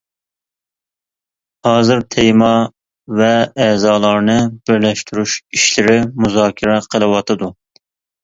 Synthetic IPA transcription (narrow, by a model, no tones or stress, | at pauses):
hɑːzɨɾt̪ʰejmɑ | vɛːzɑːlˠɑɾnɨb̥ɪɾlɛʃt̪ʰyɾuʃiʃlɪɾɪmuzɑːkʲʰiɾɛqʰəlˠɨwɑt̪ʰɨd̪u